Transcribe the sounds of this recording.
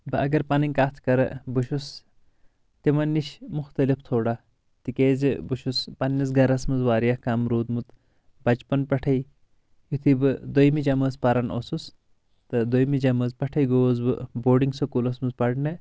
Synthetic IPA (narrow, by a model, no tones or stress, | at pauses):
bɨɐɡɐɾpɐniŋkaːt̪ʰkɐɾɐ̰bɨʃus | t̪imɐnːiʃmuxt̪ɐlift̪ʰoːɽɐ | t̪ikeːzɨbuʃuspɐnːɐsɡɐɾɐsmɨzʋaːɾijɐhkɐmɾuːd̪mut̪ | bɐt͡ʃpɐnpɐʈʰɐj | jut̪ʰibɨd̪ojmid͡ʒɐmɐːzpɐɾɐnosus | t̪ɨd̪ojmid͡ʒɐmɐzpɐʈʰɐjɡoːzbɨ̰boːɖiŋɡsɐkulɐsmɨzpɐɽnɨ